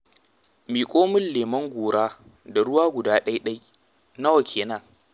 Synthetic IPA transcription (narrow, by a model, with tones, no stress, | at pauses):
miː˨kʷʼoː˦mɪ˦lleː˨mɐ˦ŋɡʷoː˨ɾaː˦ | da˨ɽʊ˦waː˦ɡʷʊ˨daː˦ɗɐ˦jɗɐ˦j | na˦wɐ˨kʲʰeː˨naː˦